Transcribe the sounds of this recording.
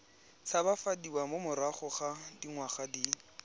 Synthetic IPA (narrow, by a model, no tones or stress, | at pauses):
t͡sʰabafadiwamomʊɾaχɔχadiŋwaχadi